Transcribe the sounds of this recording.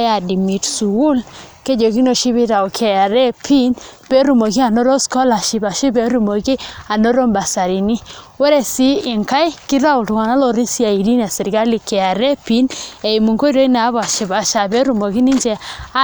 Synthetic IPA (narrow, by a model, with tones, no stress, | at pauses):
a˨di˨mi˨tsu˨wu˦lke˦d͡ʒo˨ki˦no˨ʃi˦βɪ˦ɾa˨ɔ˨kʰɛ˨a˨ɾe˦pʰi˦npe˦ɾu˨mo˨ki˦a˨no˦ɾo˦skɔ˦la˨ʃi˨ba˨ʃi˦be˦ɾu˨mo˨ki˦a˨no˦ɾo˦mba˨sa˨ɾi˨ni˦we˦ɾe˦si˦ɪ˨ŋka˦ɪ˦kɪ˦ɾa˦ʊ˨tu˨ŋa˨na˦lɔ˦ɾi˦si˦a˨i˨di˦n˨a˨sɛ˨ɾɡa˦li˨kɛ˨ja˨ɾe˦pi˦ne˨i˨mu˨ŋko˦i˦ɾo˦i˦na˨˦βa˨ʃi˨ba˨ʃa˨be˦ɾu˨mo˨ki˦ni˦d͡ʒɛ˨a˦